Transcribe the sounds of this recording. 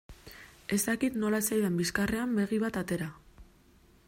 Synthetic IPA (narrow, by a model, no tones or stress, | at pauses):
e̞st̪akit̪no̞laesajðembiskare̞ambe̞ɣiβ̞at̪at̪e̞ɾa